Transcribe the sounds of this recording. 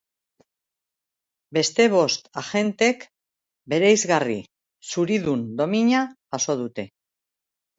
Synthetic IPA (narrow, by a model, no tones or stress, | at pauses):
be̞st̪e̞β̞o̞st̪aʝe̞nt̪e̞k | be̞ɾejzɣari | suɾiðund̪o̞miɲa | aso̞ð̞ut̪e̞